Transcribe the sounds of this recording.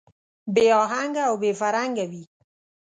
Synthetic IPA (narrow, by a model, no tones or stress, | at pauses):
beɔːɦaŋɡawbefaɾaŋɡawiː